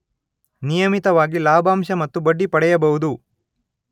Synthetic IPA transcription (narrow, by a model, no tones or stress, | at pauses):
nijɐmit̪ɐʋaːɡilaːbʱaːmʃɐmɐt̪ːubɐɖːipɐɽɛjɐbɐɦud̪u